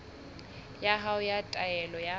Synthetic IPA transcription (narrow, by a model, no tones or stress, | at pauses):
jaɦaʊjatʼaɛlɔja